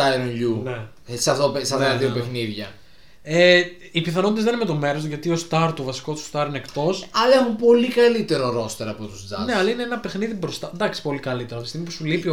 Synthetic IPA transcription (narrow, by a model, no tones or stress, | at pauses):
ajɾonʝune | sɐft̪osɐft̪ɐt̪ɐðiopexniðʝɐ | e | ipiθɐnot̪zðenimet̪o̞meɾosʝɐt̪iost̪ɐɾt̪ovɐsi̥kot̪u̥st̪ɐɾinekt̪o̞sɐlexupo̞likɐlit̪e̞ɾo̞ɾo̞st̪eɾɐpot̪usd͡zɐ̰ne̞ɐlɐineenɐpe̞xniðibɾo̞st̪ɐd̪ɐksi̥po̞likɐlit̪eɾoɐft̪ist̪imipusulipi